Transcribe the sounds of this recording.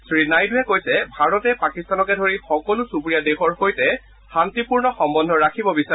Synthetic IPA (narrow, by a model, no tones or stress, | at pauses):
sɹinajduɛkojsɛbʱaɹɔtɛpakistanɔkɛdʱoɹixɔkɔlʊsupɹijadexɔɹxojtɛ | xantipuɹnɔxɔmbɔndʱɔɹakʰibɔbisa